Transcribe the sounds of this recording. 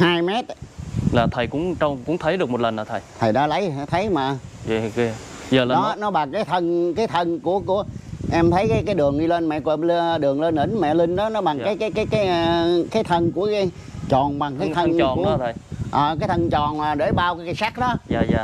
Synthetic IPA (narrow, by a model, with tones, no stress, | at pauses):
haː˧jmɛ˦˥t̚laː˨˩t̪ʰə˨˩jkʊ̰˧˥ŋ͡mt͡ɕɔ˧wŋ͡mkʊ̰˧˥ŋ͡mt̪ʰə˨˦jɗɨ˨˩ək̚mo˨˩tlə˨˩nlaː˨˩t̪ʰə˨˩jt̪ʰə˨˩jɗa̰ː˧˦˥lə˨˦jt̪ʰə˨˦jmaː˨˩˧ | zəː˨˩lɔ˨˦nɔ˨˦ɓa˨˩ŋkaː˨˦jt̪ʰə˧nkaː˨˦jt̪ʰə˧nku˧˩əku˧˩əʔɛ˧mt̪ʰə˨˦jkaː˨˦jkaː˨˦jɗɨ˨˩əŋɗi˧leː˧nmɛ̰˧˨kwe˧˩lɗɨ˨˩əŋle˧nʔi˧˩nmɛ̰˧˨lï˧ŋ̟ɗɔ˨˦nɔ˨˦ɓa˨˩ŋkkaː˨˦jkaː˨˦jkaː˨˦jkaː˨˦jkaː˨˦jt̪ʰə˧nku˧˩əkaː˨˦j | t͡ɕɔ˨˩nɓa˨˩ŋkaː˨˦jt̪ʰə˧˨˩u˧˩˨t̪ʰə˨˩ʔəː˨˩kaː˨˦jt̪ʰə˧nt͡ɕɔ˨˩naː˨˩ɗe˧˩jɓaː˧wkaː˨˦jkaː˨˦jsa˦˥k̚ɗɔ˨˦aː˧a˧